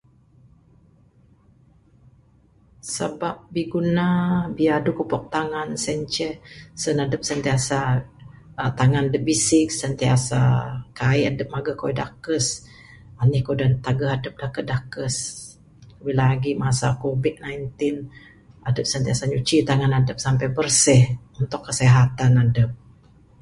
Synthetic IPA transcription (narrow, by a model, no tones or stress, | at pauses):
sa̰bap̚biɡunabiaadukupɔk̚t̪aŋansɛɲt͡ʃɛhsənadəp̚sənt̪iasa | t̪aŋanadəp̚bisɪksənt̪ia̰sa̰kaiadəp̚maɡəhkoidakəs | anihkodant̪aɡəɦadəp̚dakədakəs | bilaɡimasakobit̪̚najnt̪ɪn | adəp̚sənt̪iasaɲut͡ʃit̪aŋanadəp̚sampɛjbərsɪhunt̪ʊkːəseɦat̪anadəp̚